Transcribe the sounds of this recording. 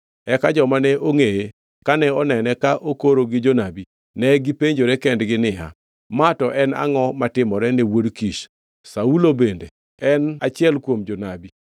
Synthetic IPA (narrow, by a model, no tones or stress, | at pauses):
ɛkad͡ʒɔmanɛʔoŋeje | kanɛɔnɛnɛkaʔokoɾoɡɪd͡ʒonabi | nɛɡɪpeɲd͡ʒoɾɛkɛndɡɪnɪa̰ | matɔʔɛna̰ŋɔmatɪmɔɾɛnewodkiʃ | saulobende | ɛnat͡ʃɪɛlkwomd͡ʒonabi